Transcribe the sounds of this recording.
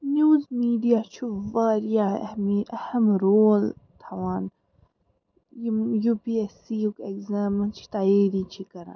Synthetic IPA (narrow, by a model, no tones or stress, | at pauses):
njuːzmiːɖijaːt͡ʃʰuʋaːɾjamiʔɐhɐmɾoːlt̪ʰɐwaːn | jjuːpiesiukekzaːmɐnt͡ʃʰi̥t̪aːjiːɾit͡ʃʰikɐɾa̰ːn